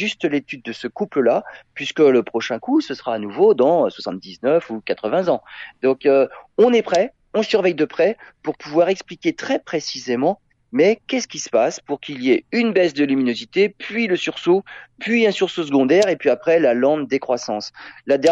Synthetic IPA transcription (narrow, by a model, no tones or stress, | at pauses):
ʒyst̪let̪yd̪̚ːəsəkupləlapɥiskələpχɔʃɛ̃kusəsʁaːnuvod̪ɑ̃swasɑ̃t̪̚d̪iznœfukat̪χəvɛ̃zɑ̃d̪̥ɔ̃køɔ̃nɛpχɛ | ɔ̃syʁvɛjd̪əpχɛpuʁpuvwaʁɛksplikʲet̪χɛpχesizemɑ̃ | mɛkʲɛsə̥kʲisə̥paspuʁkʲilijeynbɛsd̪əlyminozit̪epɥiləsyʁsopɥiɛ̃syʁsosəɡɔ̃d̪ɛʁepɥiapχɛlalɑ̃d̪ekχwasɑ̃slad̪ɛ